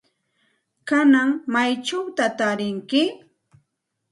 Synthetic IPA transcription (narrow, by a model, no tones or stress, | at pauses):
kanaŋmajt͡ʃawt̪at̪aɾɪŋkɪ